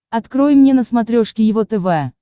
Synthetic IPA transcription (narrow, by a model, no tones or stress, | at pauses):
ɐt̪kɾo̞jmnʲenəsmɐt̪ɾʲoʂkʲɪjɪvo̞t̪ɛvɛa